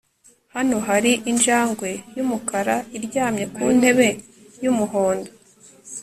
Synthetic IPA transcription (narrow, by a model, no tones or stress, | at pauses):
hano̞ɦaɾiʔinʒaːŋɡwe̞jumukaɾaiɾɟaːmɲe̞kuːn̥he̞βe̞ | jumuɦoːndo